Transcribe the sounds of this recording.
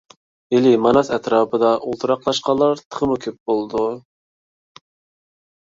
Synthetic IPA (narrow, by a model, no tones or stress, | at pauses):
elɪmɑnɑsɛt̪ɾɑːpʰəd̪ɑʔulˠt̪ʰɨɾɑqlˠɑʃqɑlˠːɑɾt̪ʰə̥χʰəmukʲʰøp̚bolˠd̪u